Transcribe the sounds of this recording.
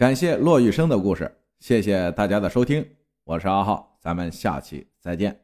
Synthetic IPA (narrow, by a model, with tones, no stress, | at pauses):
ka˨˩nɕjɛ˥˧lwɔ˥˧y˥˩ʂɤ˥ŋd̪ə˨ku˥˧ʂɻ̩̰˥˩ | ɕjɛ˥˩ɕjɛ˨˩t̪a˥˩t͡ɕja˥d̪ə˨ʂo˥ʊi˥ŋ | wɔ˨˩ʂɻ̩˥˧ɑ˥˧xɑ˥˩ʊt͡sa˧˥mə˧nɕja̰˥˩t͡ɕʰḭ˧˩t͡sa˧˥ɪt͡ɕjɛ˥˩n